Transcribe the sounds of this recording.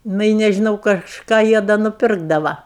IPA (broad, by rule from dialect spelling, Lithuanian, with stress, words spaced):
ˈnʊ ɪ nʲɛʒʲɪˈnɐʊ kɐʃˈkɑː ˈjiɛ dɐ nʊˈpʲɪrɡdɐʋɐ